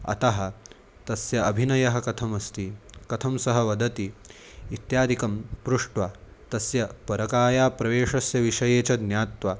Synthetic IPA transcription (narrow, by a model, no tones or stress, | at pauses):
ɐ̰t̪ɐɦɐ̆ | t̪ɐsjɐɐbʱinɐjɐɦɐ̆kɐt̪ʰɐmɐst̪ikɐt̪ʰɐmsɐɦɐʋɐd̪ɐt̪iː | t̪jaːd̪ʱikɐmpɾuʂʈʋa | t̪ɐsjɐpɐɾɐkaːjaːpɾɐʋeːʂɐsjɐʋiʂɐjeːt͡ʃɐd̪njaːt̪ʋa